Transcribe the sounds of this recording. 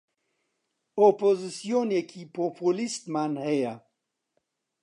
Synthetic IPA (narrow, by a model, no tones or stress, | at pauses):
opozisjonjekʰipopulist̪manheja